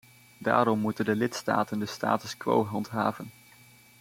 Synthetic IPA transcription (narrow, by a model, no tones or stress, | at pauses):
da̰ːɾɔmːutəndəlɪtsta̰ːtəndəsta̰ːtəskʋo̰wɦɑntɦaːvən